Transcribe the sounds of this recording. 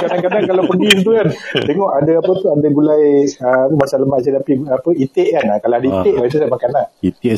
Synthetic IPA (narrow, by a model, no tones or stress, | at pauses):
kadaŋkanankalapəɡint̪̬ukant̪eŋɔʔadaapət̪uadaɡulajəmasaləmbaʔsid̪apiapəit̪eʔkanakalaadəit̪eʔbait̪usamakananit̪